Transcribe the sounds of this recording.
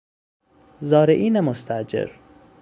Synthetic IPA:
zɒːɾeʔiːnæmost̪ʰæʔd͡ʒḛɾ

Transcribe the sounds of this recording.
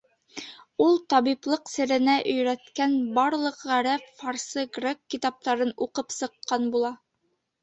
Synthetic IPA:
ulˠt̪ɑβiplˠɤqsɘ̆ɾɘ̆næʔɵ̆jɾæt̪kænbɑɾlˠɤ̆qʁæɾæffɑɾsɤɡrʲekːit̪ɑp̚t̪ɑɾɤnuqɤpsɤ̆qːɑnbulˠɑ

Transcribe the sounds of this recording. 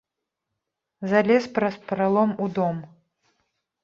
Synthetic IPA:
zalʲɛspɾɐspɾalˠɔmud̪ɔm

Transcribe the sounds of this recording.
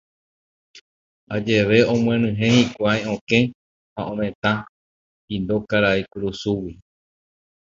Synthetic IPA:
ad͡ʒe̞ʋe̞õmw̃ẽnɨ̃ɦẽ̞hikʷajõkẽ̞ | haʔõmẽ̞t̪ã | pind̪o̞kaɾaekuɾusuwi

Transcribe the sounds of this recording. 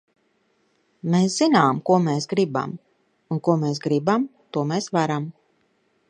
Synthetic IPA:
meːsz̥inaːmkuɔmeːsɡɾiba̰m | unkuɔmeːs̬ɡɾibamt̪uɔmeːsʋaɾam

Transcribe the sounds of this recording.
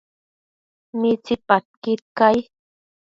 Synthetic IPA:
mit͡sipat̪̚kɪtkaj

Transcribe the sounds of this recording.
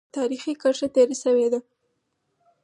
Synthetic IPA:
t̪ɑɾixikaʂat̪eɾasəwed̪a

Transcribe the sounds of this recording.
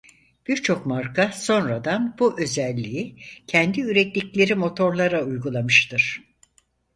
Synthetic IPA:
b̥iɾt͡ʃʰo̞kmaɾkʰaso̞nɾad̪anb̥uʔø̞zɛlʲːiicʰɛnd̪iyɾɛt̪lʲiclʲe̞ɾimo̞t̪ʰo̞ɾlˠaɾaujɡulˠamɯʃt̪ʰɯɾ̥

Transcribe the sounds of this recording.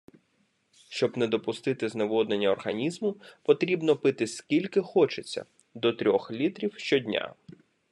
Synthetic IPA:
ʃt͡ʃɔbnɛd̪ɔpʊst̪ɪt̪ɪzneʋɔd̪nenʲːɐɔrɦɐnʲizmʊpɔt̪ɾʲibnɔpɪt̪ɪskʲilʲkɪxɔt͡ʃet͡sʲːɐ̰ | d̪ɔt̪ɾʲɔxlʲit̪ɾʲiwʃt͡ʃɔdʲnʲa̰

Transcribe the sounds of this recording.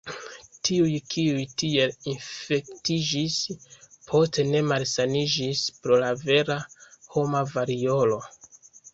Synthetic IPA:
tʰiujkʰiujtie̞linfe̞ktid͡ʒispʰo̞ste̞ne̞malsanid͡ʒispɾo̞lave̞ɾaho̞mavaɾio̞lo̞

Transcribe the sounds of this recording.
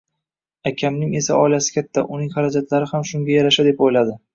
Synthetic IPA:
akʲʰamnɪŋe̞saʔɒɪlasɪ̥kʲʰat̪ʰːa̰ʔʊnɪŋχaɾad͡ʒat̪ʰlaɾɪhamʃʊŋɡʲajaɾaʃad̪e̞pojlad̪ɪ

